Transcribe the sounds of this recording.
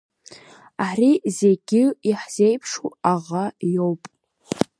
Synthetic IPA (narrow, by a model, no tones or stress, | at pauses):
aɾize̞ɡʲɪiħz̥e̞jpʰʂuaʁajo̞wpʼ